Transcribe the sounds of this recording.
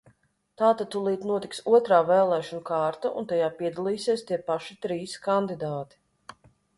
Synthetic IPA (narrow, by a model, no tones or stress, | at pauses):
t̪aːt̪at̪ulˠiːt̪nuɔt̪iksuɔt̪ɾaːvɛːlˠɛːʃɔnukaːɾt̪aʔṵnt̪ajaːpiɛd̪alˠiːsiɛst̪iɛpaʃit̪ɾiːskand̪id̪aːt̪i̥